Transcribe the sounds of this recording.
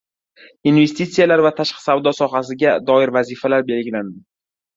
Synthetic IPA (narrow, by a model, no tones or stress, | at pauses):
inve̞st̪it̪sijalaɾvat̪ʰaʃqʰɨ̥savd̪ɒsɒɦasɪɡʲad̪ɒɪɾvazifalaɾbe̞lɡʲɪland̪ɪ